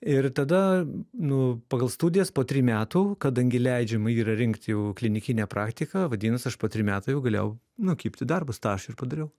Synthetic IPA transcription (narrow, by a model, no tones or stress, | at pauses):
ɪrt̪ɐd̪ɐnʊpɑːɡɐlˠst̪uːdʲɪjɛspoːt̪ʲɾʲiːmʲæːt̪uːkɐd̪ɐŋʲɡʲɪlʲɛɪd͡ʒʲɛmɐiːɾɐɾʲɪŋkt̪ʲjɛʊklʲɪnʲɪkʲɪnʲæːpɾɑːkt̪ʲɪkɐʋɐd̪ʲiːnɐsɐʃpoːt̪ʲɾʲiːmʲæːt̪ɐːjɛʊɡɐlʲḛːjɛʊ | nʊkʲiːpʲt̪ʲɪd̪ɐrbʊst̪ɑʃɪrpɐd̪ɐɾʲɛʊ